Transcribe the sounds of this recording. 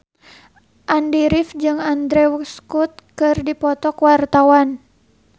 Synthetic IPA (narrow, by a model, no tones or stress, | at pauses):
ʔandiɾifd͡ʒɨŋand̪ɾɛskut̪̚kɨrdipɔt̪ɔkwart̪awan